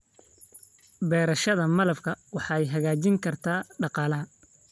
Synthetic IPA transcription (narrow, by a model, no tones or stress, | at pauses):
bɛːɾɐʃɐðɐmɐlɐfkʰɐwɑħɑːɛjɦɐɣaːt͡ʃɪŋkʰɐrt̪ʰaːɖɑqɑːlɐɦɐ